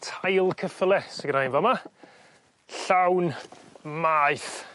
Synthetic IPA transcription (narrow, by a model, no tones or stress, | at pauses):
tʰajlˠkʰəfəlˠɛsəɡɾajnvɔma | ɬawnmaːɨθ